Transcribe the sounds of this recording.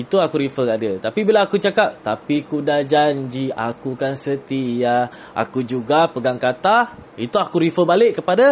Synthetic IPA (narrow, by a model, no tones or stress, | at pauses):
it̪uakuɾifəkadət̪apibilaːkut͡ʃakap̚t̪apikudad͡ʒaɲd͡ʒia̰kukansət̪ija | a̰kud͡ʒuɡapəɡaŋkat̪ait̪uakuɾifəbalɪʔkːəpada